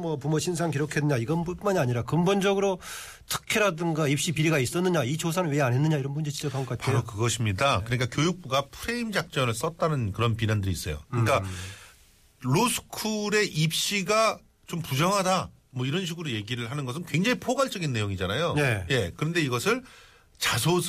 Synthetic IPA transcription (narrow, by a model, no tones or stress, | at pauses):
mwʌpumoɕʰinsʰaŋkiɾjokʰenːɯɲaiɡʌnbumaniaɲiɾakɯmbond͡ʑʌɡɯɾo | tʰɯ̥kʰeɾadɯŋɡaip̚ɕ͈ipiɾiɡais͈ʌnːɯɲait͡ɕosʰanɯnweanɦenːɯɲaiɾʌnbund͡ʑet͡ɕid͡ʑʌkaŋɡʌk͈atpaeookɯɡʌɕʰimɲidakkɯɲik͈akjojuk̚p͈uɡapʰɯɾe̞imd͡ʑak̚t͡ɕ͈ʌnɯɭs͈ʌt̚t͈anɯnkɯɾʌnpinandɯɾiːs͈ʌjo̰kɯɲik͈a | ɾosʰɯ̥kʰuɾe̞ʔip̚ɕ͈iɡa | t͡ɕompud͡ʑʌŋɦada | mʌiɾʌnɕ̬ʰiɡɯɾoje̞ɡiɾɯɭɦanɯnɡʌs̬ʰɯnkwe̞ŋd͡ʑaɦipʰoɡaɭt͡ɕ͈ʌɡinːe̞joŋid͡ʑanajone̞je̞kɯɾʌnde̞iɡʌsʰɯɭ | t͡ɕasʰos